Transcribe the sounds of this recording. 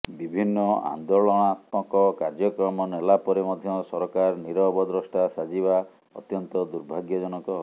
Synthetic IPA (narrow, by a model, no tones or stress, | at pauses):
bibʱinːɔa̰nd̪oɭɔɽ̃at̪̚mɔ̃kɔkaɾd͡ʒɔkɾɔmɔnelapɔɾemɔd̪ʱjɔsɔɾɔkaɾniɾɔbɔd̪ɾɔsʈasad͡ʒiβa | ɔ̰t̪jɔnt̪ɔd̪uɾbʱaɡjɔd͡ʒɔnɔkɔ